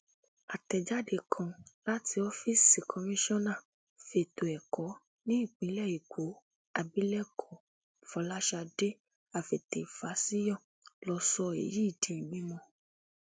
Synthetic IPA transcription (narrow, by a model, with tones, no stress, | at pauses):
a˨tɛ˨d͡ʒa˦de˧˨kʰã˧la˦tʰi˧ɔ˦fi˦˨si˨kʰɔ˧mĩ˦ʃɔ̃˦nã˦˨ | fe˨to˨ɛ˨kɔ˨˦ | nĩ˦i˦˨k͡pĩ˨˦lɛ˦˨i˨ko˨˦ | a˧bi˦lɛ˦kʰɔ˨˦ | fɔ˧˦la˦ʃa˧de˦ | a˨fe˨te˨fa˨˦si˦jɔ̃˦˨ | lɔ˧sɔ˧ḛ˨ji˦˨dĩ˨˦i˨mĩ˨˦mɔ̃˧